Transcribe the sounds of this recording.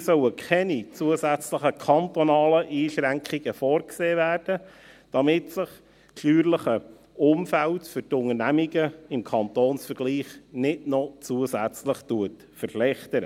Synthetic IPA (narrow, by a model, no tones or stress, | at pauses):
sœwəkʰɛnit͡suəzæt͡sləχəkʰɑnt̪ɔnɑːləʔiːʃɾæŋkʰiɡ̥əfɔːrkseːvæːrd̥ə | d̥ɑmɪtsɪχ | ʃlyːɾləχə | ʊmfæltfʏɾtʊŋərnæmiɡəɪmkʰɑnt̪oːnsfəɾɡ̥liːχnɪdnɔt͡suəsæt͡sləχtuət | fərflɛχtəɾə